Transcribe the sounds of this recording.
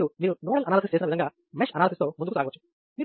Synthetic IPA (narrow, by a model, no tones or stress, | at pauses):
umiːɾunoːɽɐlɐnaːlɐsist͡ʃeːsinɐʋid̪ɐŋɡaː | meʂɐnaːlɐsist̪o̞ːmund̪kusaːɡɐʋɐt͡ʃːu̥ | miː